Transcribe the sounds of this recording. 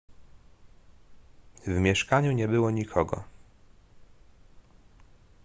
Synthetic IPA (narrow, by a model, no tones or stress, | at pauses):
vmʲjɛʂkaɲuɲɛbɘwɔɲikʰɔɡɔ̰